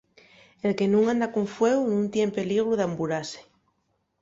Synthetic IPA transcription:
elkenũŋãnd̪akuɱfweɣunũnt̪jempe̞liɣ̞ɾuðambuɾase̥

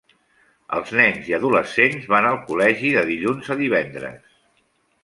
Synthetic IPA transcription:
ə̰lˠznɛnziəðuləsenzβanəlˠkulɛʒiðəðiʎunzəðiβɛnd̪ɾə̰s

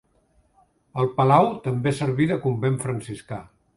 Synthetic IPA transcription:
əlˠpəlawt̪əmbesəɾβiðəkumbeɱfɾənsiska

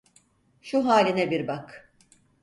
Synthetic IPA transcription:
ʃuɦaːlʲinɛbiɾbak

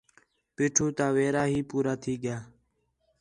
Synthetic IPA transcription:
piːʈʰuːt̪aːʋeːɾaːɦiːpuːɾaːt̪ʰiːɠɪjaː

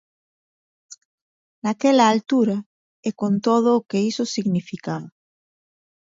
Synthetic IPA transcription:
nakelaːlt̪uɾa | ekont̪oðoːkeisosiɣnifikaβa

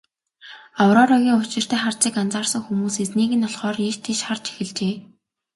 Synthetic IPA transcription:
awɾɔːɾɔɣʲiːŋʊt͡ɕɪ̆r̥t̪ʰæːχart͡siːkant͡saːrsə̆ŋxumuːset͡sniːɣɘ̆nɔɮχɔːrirt̪ʰiʃχart͡ɕe̥xɘ̆ɮt͡ɕeː

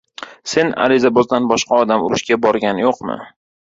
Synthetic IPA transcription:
se̞na̰ɾɪzabɒzd̪anbɒʃqɑɒd̪amʊɾɪʃkʲabɒɾɡʲanjoqmɪ̰

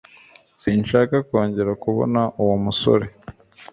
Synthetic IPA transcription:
siːnʃaːkako̞ːɲɟe̞ɾakuβo̞̰naʔuwomuso̰ɾe

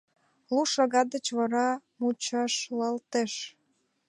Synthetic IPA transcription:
luʃɑɣɑd̪ət͡ɕβɑɾɑmut͡ɕɑʃləlt̪eʃ

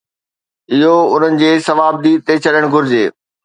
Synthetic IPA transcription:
ɪɦoʊn̤ənɪ̆d͡ʑeːsɐʋaːb̚d̪iːt̪et͡ɕʰɐɗəɽ̃ɡʱʊɾɪd͡ʑeː

